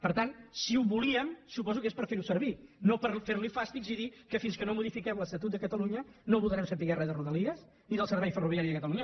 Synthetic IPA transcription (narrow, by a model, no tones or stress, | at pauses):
pəɾt̪ansiuβuliəmsupɔzukespəɾfeɾusəɾβinopəɾfeɾlifast̪ikziðikəfinskənomuðifikɛmləst̪ət̪ut̪d̪əkət̪əluɲənoβulˠd̪ɾɛmsənt̪iɣɛrəðəruðəliəs | niðəlˠsəɾβɛjfəruβiaɾiðəkət̪əluɲə